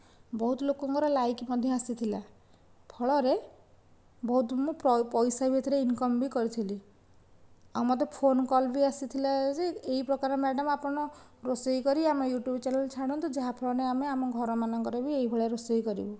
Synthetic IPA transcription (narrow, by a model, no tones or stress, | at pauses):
bɔɦut̪ɔlokɔŋkɔɾɔlajkmɔd̪ʱjɔasit̪ʰila | pʰɔɭɔɾe | bɔɦut̪mũppɔjsabʱet̪ʰɾeinkɔmbikɔɾit̪ʰili | amɔt̪epʰonkɔlbiasit̪ʰilad͡ʒeeɦipɾɔkaɾɔmɛɖɔmapɔɽ̃ɔ | ɾosɔikɔɾiamejuʈjubt͡ʃɛnalt͡ʃʰaɽ̃ɔnt̪ud͡ʒaɦapʰɔɭɔneameamɔɡʱɔɾɔmanɔŋkɔɾɔbieɦibʱɔɭaɾosɔjkɔɾḭbɔ